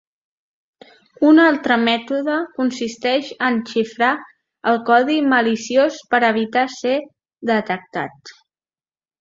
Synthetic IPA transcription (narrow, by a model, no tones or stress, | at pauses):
unalˠt̪ɾəmɛt̪uðəkunsist̪ɛʃənʃifɾa | əlˠkɔðiməlisiospəɾəβit̪ase | ðət̪ək̚t̪a̰t̪